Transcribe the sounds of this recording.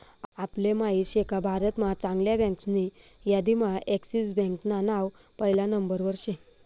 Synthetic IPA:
aplemaiɕekabʱaɾət̪mat͡sãŋɡljabɛ̃ŋksnijad̪imaʔeksisbɛ̃ŋknanaʋ | pəɦilãnəmbəɾʋəɾɕẽ

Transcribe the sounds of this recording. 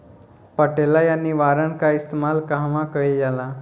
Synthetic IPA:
pəʈelajanːiʋaɾəɳkaist̪emalkaɦʋãkəljala

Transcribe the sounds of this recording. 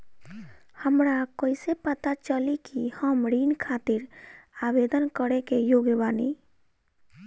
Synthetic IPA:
həmɾakoːisepət̪at͡ʃəlikihəmɽinkʰat̪iɾabed̪ənkəɾekejoɡbaːni

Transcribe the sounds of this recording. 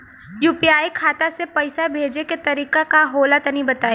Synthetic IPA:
juːpiaːikʰaːt̪asepɐɪsabʱeːd͡ʒeket̪ɐɾiːkakaɦoːlat̪ɐnibɐt̪aːe

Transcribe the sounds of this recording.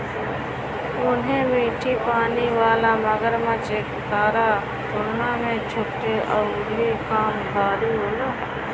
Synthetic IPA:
ʊnɦẽmiːʈʰipaːniʋaːlaməɡəɾmãt͡ʃeːkt̪aːɾa | tʊɾnamẽt͡ʃʰʊʈeʔɔːʊikaːmbʱaːɾiɦoːlaː

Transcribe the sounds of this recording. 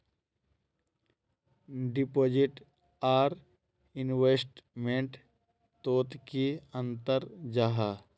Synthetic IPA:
ɖɪpoːd͡ʒɪʈ | aːɾ | ɪnweːsʈmẽɳʈ | t̪oːt̪kiə̃nt̪əɾd͡ʒaːɦa

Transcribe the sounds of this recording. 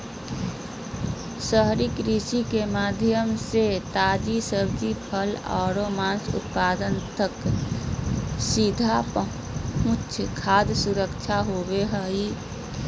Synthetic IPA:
səɦɾɪkɾisikemaːd̪ʱjəmset̪aːd͡ʒisəbd͡ʒipʰəla̰ːɾomaːnsʊ̰t̪̚paːd̪ənt̪ək | sid̪ʱapə | ʊtʃʰkʰaːd̪ʱsuɾəkt͡ʃʰaɦobeɦəi

